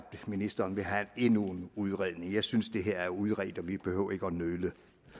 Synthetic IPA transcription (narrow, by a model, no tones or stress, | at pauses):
b̥̚d̥minisd̥ɐːnʋe̝ɦæne̝nunuð̞ˠʁɛð̰ˠne̝ŋjɑ̈ɪsynsd̥e̝ɦeɐ̰æɐuð̞ˠʁɛ̰d̥ɒ̽ʋib̥e̝høʊ̰ɐe̝ɡ̥əɒnølə